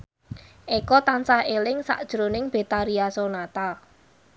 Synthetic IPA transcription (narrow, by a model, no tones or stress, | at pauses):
ʔekɔt̪ansahelɪŋsa̰ʔd̥ʒ̥ɾonɪŋb̥e̤t̪aɾiasonat̪a